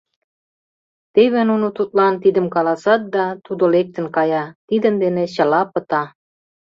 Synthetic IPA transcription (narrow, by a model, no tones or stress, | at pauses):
t̪eβĕnunot̪ut̪̚lɑnt̪id̪ə̆mkɑlɑsɑt̪̚d̪ɑt̪ud̪olek̚t̪ə̆nkɑjɑt̪id̪ə̆nd̪enĕɕə̆lɑpə̆t̪ɑ